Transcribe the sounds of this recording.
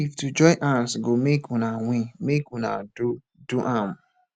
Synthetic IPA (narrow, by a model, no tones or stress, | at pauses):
iftud͡ʒɔɪʔansɡomekũnaŋʷĩmekũna̰du | duʔãm